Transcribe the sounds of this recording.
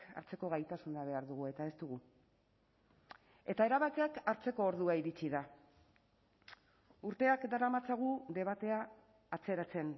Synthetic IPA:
a̰ɾt͡se̞ko̞ɣajt̪asunaβ̞e̞aɾðuɣ̞ue̞t̪ae̞st̪uɣu | e̞t̪ae̞ɾaβakeakaɾt͡se̞ko̞ːɾðuaiɾit͡siða | uɾt̪e̞akd̪aɾamat͡saɣ̞ud̪e̞β̞at̪e̞aː | t͡se̞ɾat͡se̞n

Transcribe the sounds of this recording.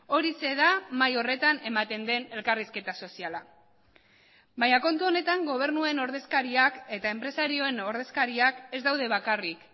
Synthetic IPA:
o̞ɾise̞ðamajo̞re̞t̪ane̞mat̪e̞nd̪e̞ne̞lkariske̞t̪aso̞siala | baɲako̞nt̪uo̞ne̞t̪aŋɡo̞β̞e̞ɾnueno̞ɾðe̞skaɾiake̞t̪ae̞mpɾe̞saɾio̞e̞no̞ɾðe̞skaɾiake̞zd̪awðe̞βakarik

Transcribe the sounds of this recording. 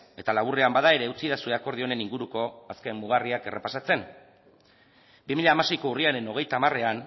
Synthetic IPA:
e̞t̪alaβure̞ambaðae̞ɾe̞ut͡siðasue̞ako̞ɾð̞io̞ne̞niŋɡuɾuko̞aske̞mmːuɣ̞ariake̞̰rʔepasat͡se̞n | bimiʎaːmase̞jko̞uriaɾe̞no̞ɣ̞e̞jt̪aːmare̞an

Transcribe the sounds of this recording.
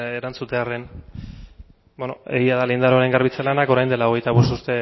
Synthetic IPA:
eɾant͡sut̪e̞aren | benoe̞̰ɣiaðalind̪aɾoaɾe̞ŋɡaɾβit͡selanako̞ɾajne̞lao̞ɣ̞e̞jt̪aβo̞st̪uɾt̪e̞

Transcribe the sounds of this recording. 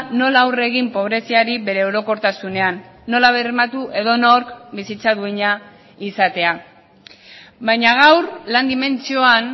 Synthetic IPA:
no̞laːwre̞ɣimpo̞β̞ɾe̞siaɾiβe̞ɾe̞oɾo̞ko̞ɾt̪asune̞anːo̞laβemat̪uʔe̞ðo̞noɾkbisit͡saðueɲa | isat̪e̞a | bajɲaɣ̞awɾland̪ime̞nt͡sio̞an

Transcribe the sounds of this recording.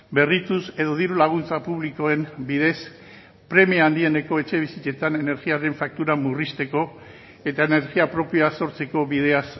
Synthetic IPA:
be̞rit̪use̞ðo̞ð̞iɾulaɣ̞unt͡sapuβliko̞e̞mbiðe̞s | pɾe̞miand̪ie̞ne̞ko̞e̞t͡ʃe̞β̞isit͡ʃe̞t̪ane̞ne̞ɾɣiaɾe̞ɱfak̚t̪uɾamurist̪e̞ko̞ | e̞t̪ae̞ne̞ɾɣiapɾo̞piaso̞ɾt͡se̞ko̞βið̞e̞as

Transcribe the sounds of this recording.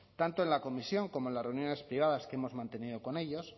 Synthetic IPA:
t̪ant̪oe̞nlako̞misjo̞ŋko̞mo̞enlasreunjo̞ne̞spɾiβ̞aðaskee̞mo̞zmãnt̪e̞nið̞o̞ko̞ne̞ʎos

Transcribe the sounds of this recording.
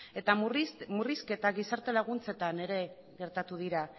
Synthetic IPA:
e̞t̪amuriske̞t̪aɣisaɾt̪e̞laɣ̞unt͡se̞t̪ane̞ɾe̞ | ɣe̞ɾt̪at̪uð̞iɾa

